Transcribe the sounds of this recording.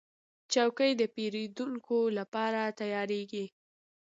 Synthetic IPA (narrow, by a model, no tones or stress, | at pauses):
t͡ʃawkəjd̪əpeɾed̪uŋkʰolapɑɾat̪ajɑɾeɡi